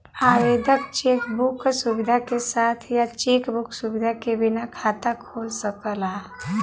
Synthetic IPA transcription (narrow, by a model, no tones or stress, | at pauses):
aːʋeːd̪ək̚t͡ʃeːkbuksuʋɪd̪ʱakesaːt̪ʰjat͡ʃeːkbʊksubɪd̪ʱakebɪnakʰaːt̪akʰoːlsəkəla